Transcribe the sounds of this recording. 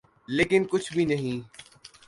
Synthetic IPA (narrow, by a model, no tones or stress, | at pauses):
leːkɪnkʊt͡ʃʰbʱinɐɦĩː